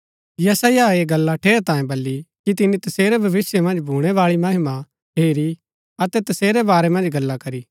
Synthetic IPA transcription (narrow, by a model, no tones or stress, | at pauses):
jɐsaːjaeːɡɐlːaʈʰeːɾt̪ãːjẽbɐlːikit̪̬ɪnit̪ɐseːɾɛbʱɐʋɪsjemɐ̃nd͡ʒbʱuːɽ̃ɛʋaːɭimɐɦɪma | ɦeːɾi | ɐt̪ɛt̪ɐseːɾɛbaːɾɛmɐ̃nd͡ʒɡɐlːakɐɾi